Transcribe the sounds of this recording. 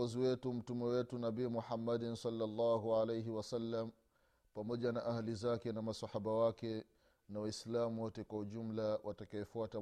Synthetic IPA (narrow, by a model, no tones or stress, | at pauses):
ɔziwɛtum̩tumɛwɛtunabiːmuħamːadnsɑlːalːaɦuʕalejɦiwasalːam | pamɔʄanaʔahalizakɛnamasahaɓawakɛ | nawaislamuwɔtɛkwahuʄum̩lawatakaɛfuata